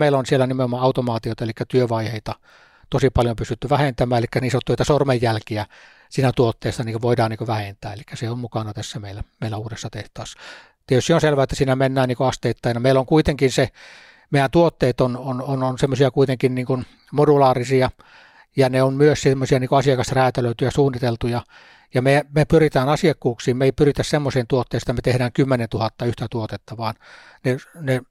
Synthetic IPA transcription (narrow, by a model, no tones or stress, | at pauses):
meilonsielænimeomːɑɑˑut̪omɑːt̪ioˑt̪ɑelikːæt̪yøʋɑiheit̪ɑ | t̪osipɑljopysyt̪ːyʋæhent̪æmæːelikːæniːsot̪yøˑet̪ɑsormejjælkiæ | siːnæt̪uot̪ːeːst̪ɑniːkoʋoidɑːniːkoʋæhent̪æ̰ːelikːæseommukɑnɑt̪æsːæmeˑilːæmeˑilːæuːdesːɑt̪eht̪ɑːsːɑ | t̪iet̪ysiːonselʋæet̪ːæsiːnæmenːæːnniːkoɑst̪eˑit̪ːɑˑinɑmeˑilːoŋkuit̪eŋkinse | meˑijænt̪uot̪ːeːt̪ononononsemːosiɑkuit̪eŋkinniːŋkun | modulɑːrisiɑ | jɑneommyøssemːosiɑniːkoɑsiɑkɑsræːt̪æløˑit̪yjæsuːnːit̪elt̪ujɑ | jɑmemepyrit̪æːnɑsiɑkːuːksiːmmeipyrit̪æssemːoseːnt̪uot̪ːeːset̪ːæmet̪ehɾæːŋkymːenent̪uhɑt̪ːɑyht̪æt̪uot̪et̪ːɑʋɑːn | nene